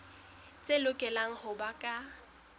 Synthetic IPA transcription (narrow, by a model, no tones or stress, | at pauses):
t͡sʼelʊkʼɛlaŋ̩hʊbakʼa